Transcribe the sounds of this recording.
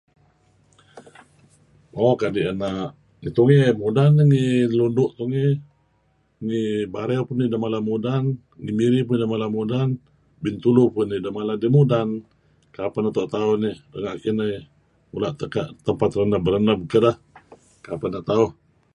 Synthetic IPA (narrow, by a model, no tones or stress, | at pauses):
okaʔdiʔənaʔ | ŋit̪uŋemudanːiŋilundʊʔt̪uŋe | ŋibaɾɛwpʊnːidamalamudan | ŋimiɾipunidəmalamudan | bint̪ulupʊnːidamaladimudan | kapanut̪oʔt̪aunidəŋaʔkinəj | mulaʔt̪əkaʔt̪əmpat̪rənəbəɾənabəkəlah | kapanːaʔt̪auh